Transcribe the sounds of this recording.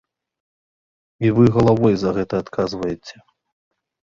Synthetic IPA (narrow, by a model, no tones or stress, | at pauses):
ivɨɣɐlˠavɔjzɐɣɛt̪ɐːt̪kʰazvɐjɛt͡sʲɛ̥